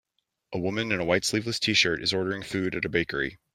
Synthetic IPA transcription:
ʔəwʊmɨ̃nɨ̃nəwaɪtslivləstʰiʃə˞ɾɨzɔɹɾə˞ɪ̃ŋfʉɾɨɾɨbeɪkə̰˞ḭ

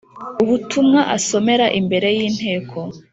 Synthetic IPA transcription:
uβutʰumŋaʔaso̞me̞ɾaʔimbe̞ɾe̞jiːn̥he̞ːkʰo̞

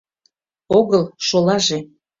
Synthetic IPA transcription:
oɣəlˠʃolɑʒe

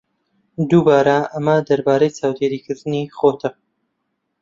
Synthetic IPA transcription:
d̪ubaːɾɐɐmɐd̪ɐɾbaːɾejt͡saːwd̪eːɾiːkɨɾd̪ɨniχot̪ʰɐ

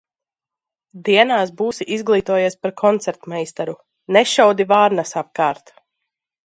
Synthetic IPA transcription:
d̪iɛnaːsbuːsiʔizɡlˠiːt̪uɔjɛːspaɾkʰɔnt̪sɛɾt̪mɛjst̪aɾu | nɛʃawd̪ivaːɾnasap̚kaːɾt̪

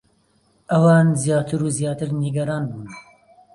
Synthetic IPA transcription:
ʔɐwɑːnzjɑːt̪ʰɨɾuzjɑːt̪ɨɾniɡɐɾɑːnbuːn

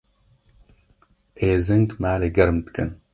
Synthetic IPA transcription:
ʔeːzɨŋkmaːleɡɐɾmt̪kʼɨ̰n

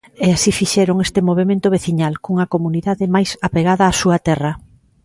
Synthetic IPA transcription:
easifiʃɛɾoŋest̪ɪmoβ̞emẽnt̪ʊβ̞eθiɲalkuŋɐkomuniðaðɪmajsapeɣaðɐːsuɐt̪ɛrɐ

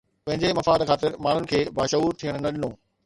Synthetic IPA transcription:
pɐ̃ɦɪ̃ɲd͡ʑemɐfaːd̪xʰaːt̪ɪɾmaːɳ̤ʊnɪ̆kʰeːbaːʃəɦuːɾt̪ʰijəɽ̃nɐɗɪnoː

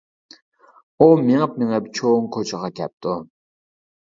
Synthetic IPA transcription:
umeŋəp̚meŋəp̚t͡ʃʰoŋkʰot͡ʃʰəʁɑkʲʰɛp̚t̪ʰu

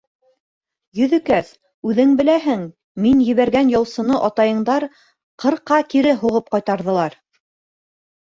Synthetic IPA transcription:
jɵ̆ðɵ̆kæθ | ʉðɘŋbɘ̆læɦɘŋ | minjɘ̆βæɾɡænjɑ̆wˠsɤ̆nɤʔɑt̪ɑjɤ̆ɴd̪ɑɾ | qʰɤ̆ɾqːɑkiɾɘɦuʁɤp̚qɑjt̪ɑɾðɤ̆lˠɑɾ

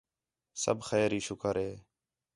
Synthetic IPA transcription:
sə̰bʱxɛːɾiːʃʊkəɾɦeː

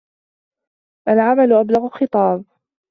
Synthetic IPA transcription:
ʔalʕamalʊʔablaɣʊxɨt̪ˤɑːb

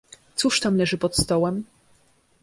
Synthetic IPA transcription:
t̪suʂt̪amlɛʐɘpɔt̪st̪ɔwɛm

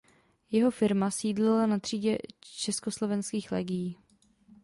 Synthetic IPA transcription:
jɛɦo̞fɪɾmasiːdlɛlanat̪r̝̥iːɟɛt͡ʃɛskoslo̞vɛnskiːxlɛːɡɪjiː

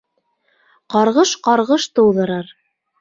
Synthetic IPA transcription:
qɑɾʁɤʃqɑɾʁɤʃt̪ɤ̆wðɤ̆ɾɑɾ

